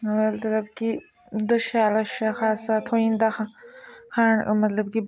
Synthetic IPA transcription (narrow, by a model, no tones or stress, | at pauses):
wɐlt̪lɐbki | d̪ɐʃaːlɐʃaxaːssaːt̪ʰoĩnd̪axɐ̃xaːɳ̰mɐt̪lɐbki